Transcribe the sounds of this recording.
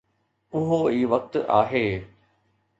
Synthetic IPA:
ʊɦoiːʋɐk̚t̪ʔa̰ːɦeː

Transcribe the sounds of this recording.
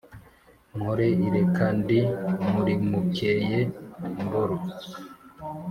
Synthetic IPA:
ŋhoɾeiɾekandimuɾimukejemboɾo

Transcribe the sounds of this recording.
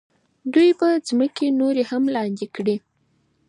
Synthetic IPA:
d̪ujpəzməkenoɾehamlɑnd̪ikɽi

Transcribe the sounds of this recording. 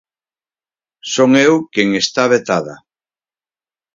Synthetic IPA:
soŋewkeŋest̪aβet̪aða̰

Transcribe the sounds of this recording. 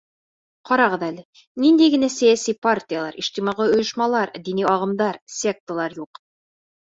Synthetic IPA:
qɒɾɑʁɤðælɘ | nind̪æjɡɘ̆næsæjæsipart̪ʲɪjalˠɑ̰ɾʔiʃt̪imɑʁɤŏjŏʃmɑlˠɑɾd̪iniɑʁɤ̆md̪ɑɾsʲek̚t̪ə̆lˠɑɾjuq

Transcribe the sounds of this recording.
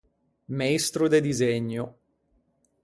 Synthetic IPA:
maist̪ɾod̪ed̪izeɲːo

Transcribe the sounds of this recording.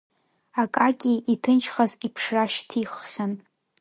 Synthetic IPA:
akʼakʲʼiitʰɨnt͡ʃʰχazipʰʂraʃtʰiχːʲan

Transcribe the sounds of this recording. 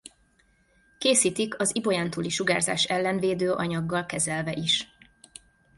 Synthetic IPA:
keːsiːt̪ikɒzibo̞jaːnt̪uːliʃuɡaːrza̰ːʃɛlːɛnveːd̪øːʔɒɲɒɡːɒlkɛzɛlvɛʔiʃ

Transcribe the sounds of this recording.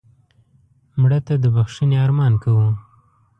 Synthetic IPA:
mɽat̪ad̪əbaxʂineɑɾmɑnkawu

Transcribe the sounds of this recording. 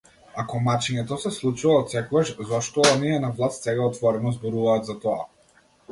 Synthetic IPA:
akɔmat͡ʃiɲɛt̪ɔsɛslˠut͡ʃuvaːt̪sɛkɔɡaʃzɔʃt̪ɔniɛnavlˠast̪sɛɡaɔt̪vɔɾɛnɔzbɔɾuvaːt̪zat̪ɔa̰

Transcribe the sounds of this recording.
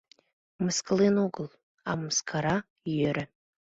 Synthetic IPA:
mɨskʼlinuɡɨlˠ | amɨskʰaɾa | jøɾa

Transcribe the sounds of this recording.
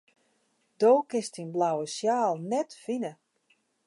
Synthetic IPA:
d̥oːwkɪstinblawəsjaːlˠnɛtfinə

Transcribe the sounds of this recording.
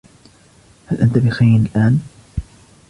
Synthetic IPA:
halʔant̪abɪxajnɪlʔaːn

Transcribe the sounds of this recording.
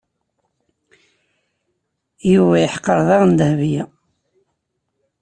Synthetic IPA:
juvæjəħqːəɾˤðˤɑʁnd̪əhvjæ

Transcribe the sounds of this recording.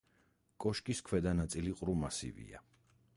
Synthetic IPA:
kʼɔʃkʼiskʰwɛd̪anat̪sʼiliqʼɾumasḭvḭa̰

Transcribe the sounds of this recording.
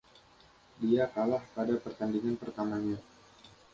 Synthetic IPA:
diakalahpadapərt̪andiŋanpərt̪amaɲa

